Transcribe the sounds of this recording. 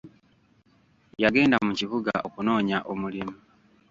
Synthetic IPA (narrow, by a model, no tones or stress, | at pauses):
jaɡe̞ːndamuciβuɡaʔo̞kuno̞ːɲaʔo̞mulimu